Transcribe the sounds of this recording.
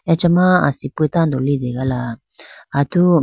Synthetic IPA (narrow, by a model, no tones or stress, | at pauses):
ɛt͡ʃɛmãa̰sipuetandɔlidɛɡala | atu